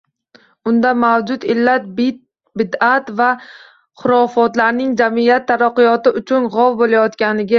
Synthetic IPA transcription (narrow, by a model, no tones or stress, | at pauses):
ʊnd̪amawd͡ʒʊt̪ɪlːat̪ | bɪd̪at̪va | χʊɾɒfɒt̪laɾnɪŋd͡ʒamijat̪ʰːaɾaqːɨjɒt̪ɪʊt͡ʃʰʊnʁɒwbolajɒt̪kʲanɪɡʲa